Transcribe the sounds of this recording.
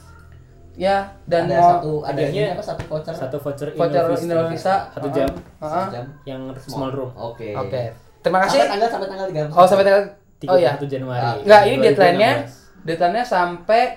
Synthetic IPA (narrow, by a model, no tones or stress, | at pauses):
jadanat̪uadiɲaapasat̪ufot͡ʃərsat̪ufot͡ʃəriot͡ʃərinɾofisasat̪ud͡ʒam | əʔəd͡ʒamjaŋssəmalrumokeoke | t̪əɾimakasit̪aŋɡalsampɛt̪aŋɡalt̪ɡaosampɛt̪aŋɡal | t̪ijaat̪ud͡ʒanuaɾiŋɡaʔinidɛt̪laɛnɲa | dɛt̪lajnɲasampe